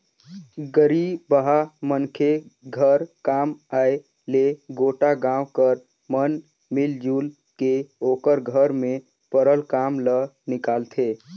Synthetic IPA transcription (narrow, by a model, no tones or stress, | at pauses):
ɡəɾibəɦamənkʰeɡʱəɾkaːmaːe | leɡoːʈaɡãːwkəɾ | mən | mɪld͡ʒuːl | keoːkəɾɡʱəɾmẽ | pəɾəlkaːmlənɪkaːlt̪ʰe